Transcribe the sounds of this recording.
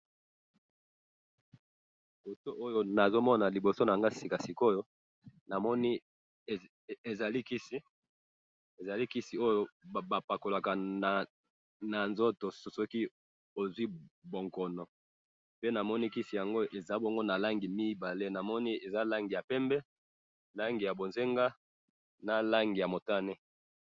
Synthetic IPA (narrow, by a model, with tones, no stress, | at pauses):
i˨bo˨so˦ʔo˦jo˦na˨zo˦mɔ˦na˨li˨bo˨so˦na˨ŋɡa˦si˨ka˨si˨ko˦jo˦ | na˨mɔ˦ni˦˨ | e˨za˨li˦ki˦si˦ | e˨za˨li˦ki˦si˨˦o˦jo˦˨ba˨pa˨ko˨la˨ka˨na˨ | na˨nzo˦to˨ssɔ˦ki˦ | o˨zwi˦bo˨ŋkɔ˨nɔ˨ | pe˦na˨mɔ˦ni˦ki˦si˨ja˨ŋɡo˦e˨za˦bɔ˦ŋɡo˦na˨la˦ŋɡi˨mi˦ba˨le˦na˨mɔ˦ni˦e˨za˦la˦ŋɡi˨ja˨pɛ˦mbɛ˦ | la˦ŋɡi˨ja˨bo˨nze˦ŋɡa˦ | na˨la˦ŋɡi˨ja˨mo˨ta˦ne˦